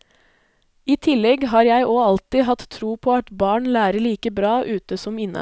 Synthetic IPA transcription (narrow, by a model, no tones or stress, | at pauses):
iːt̪ʰɪlɛɡɦɑːɾjæɪʔoːɑlt̪ɪːɦɑt̪t̪ʰːɾuːpʰoːɑt̪bɑːɳlæːɾəɭiːkəbɾɑːʔʉːt̪əsɔmɪnə̰